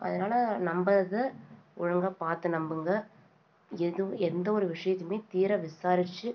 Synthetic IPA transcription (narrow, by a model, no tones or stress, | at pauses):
ɐ̰ðɐnaːlɐnɐmbɐɾɐðɐʊɻɐŋɡɐpaːɾt̪ɯnɐmbɯŋɡɐ | ɛðɯ̃ɛnd̪ɐɔɾɯʋɪʂɐjɐt̪ːɯmeːt̪iːɾɐʋɪsaːɾɪt͡ʃːɯ